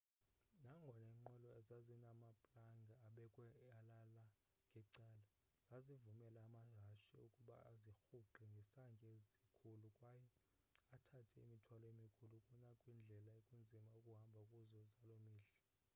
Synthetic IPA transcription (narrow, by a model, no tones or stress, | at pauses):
naŋɡʱɔnɛŋ͡ǃɛlɔɛzazinamapʼlaŋɡʱaːɓɛkʼwɛalala | ŋɡʱɛǀaːla | z̥azivumɛlaːmaɦaʃiukʼuɓa̰a̰zixuǃɛŋɡʱɛsaŋɡʱʼezikʰulukʼwajɛ | atʰatʰɛḭmitʰwalɔemikʰulukʼunakʼwind͡ɮʱɛlaekʼund͡zʱimaukʼuɦambʱakʼuzɔzalomiːɮa